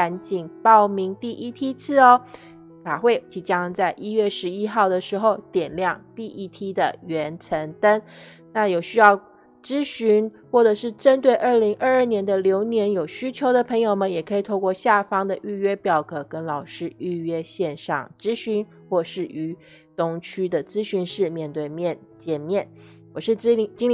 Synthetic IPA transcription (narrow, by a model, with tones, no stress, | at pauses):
a˧˥nt͡ɕi˨˩ŋpɑ˥˩ʊmi˧˥ŋt̪i˥˩ʔi˥˩t̪ʰi˥t͡sʰɹ̩˥˩ɔ˨ | fa˨˩xwe˥˩ɪt͡ɕi˧˩t͡ɕjɑ˥ŋt͡sa˥˩ɪʔi˥ɥɛ˥˩ʂɻ̩˧˥i˥xɑ˥˩ʊd̪ə˩ʂɻ̩˧˥xo˧ʊt̪jɛ˨˩nljɑ˥˧ŋt̪i˥˩ʔi˥˩t̪ʰi˥d̪ə˨ɥɛ˧˥nt͡sʰə˧˥ŋt̪ə˥n | na˥˩jo˨˩ʊɕy˥jɑ˥˩ʊ | ʈ͡ʂɻ̩˥ɕy˧˥nxwɔ˥˩ʈ͡ʂɤ˨˩ʂɻ̩˥˩ʈ͡ʂə˥nt̪we˥˧ɪʔə˞˥˩li˧˥ŋʔə˞˥˧ə˞˥˩njɛ˧˥nd̪ə˧ljo˧˥ʊnjɛ˧˥njo˨˩ʊɕy˥t͡ɕʰjo˧˥ʊd̪ə˨pʰɤ˧˥ŋjo˨˩ʊmə˦jɛ˨˩kʰɤ˧˥i˨˩t̪ʰo˥˧ʊkwɔ˥˧ɕja˥˩fɑ˥ŋd̪ə˨ʔy˥˧ɥɛ˥pjɑ˨˩ʊkɤ˨˩kə˥nlɑ˨˩ʊʂɻ̩˥y˥˩ɥɛ˥ɕjɛ˥˧nʂɑ̰˥˩ŋʈ͡ʂɻ̩˥ɕy˧˥n | xwɔ˥˩ʂɻ̩˥˩ʔy˧˥ | t̪ʊ˥˩ŋt͡ɕʰy˥d̪ə˨t͡sɹ̩˥ɕy˧˥nʂɻ̩˥˧mjɛ˥˧nt̪we˥˧ɪmjɛ˥˩n | t͡ɕjɛ˨˩nmjɛ˥˩n | wɔ˨˩ʂɻ̩˥˩˥t͡ɕi˥ŋ